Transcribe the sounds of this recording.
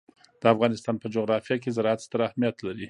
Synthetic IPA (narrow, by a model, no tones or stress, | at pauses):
d̪̥əafɣɑnɪst̪ɑnpəd͡ʒoɣɾɑfijak̬ezaɾɑat̪st̪əɾahmijat̪laɾi